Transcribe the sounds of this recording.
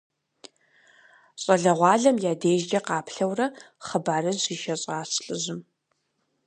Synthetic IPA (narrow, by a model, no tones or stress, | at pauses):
ɕʼɐɮɐʁʷɑːɮɐmjaːdeːʒd͡ʒɐqɑːpʰɬɐwrɐ | χəbaːɾɨziːʃɐɕʼɑːsɬʼɨzɨm